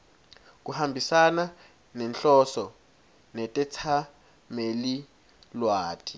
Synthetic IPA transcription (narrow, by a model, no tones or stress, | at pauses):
k̬uhambʱisana | nɛnɬɔsɔ | nɛtʼɛt͡sʰa | meli | lwaːtʰi̥